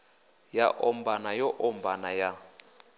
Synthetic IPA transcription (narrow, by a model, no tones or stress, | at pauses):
jaʔɔmbanajɔʔɔmbanaja